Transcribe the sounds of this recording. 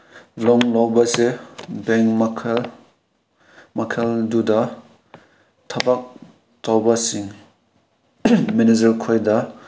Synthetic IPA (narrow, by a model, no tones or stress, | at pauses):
lɔŋlawbɐsebeŋkmʰ | mɐkʰeldudɐ | tʰɐbak̚ | tawbɐsiŋ | minizɐɾkʰojdɐ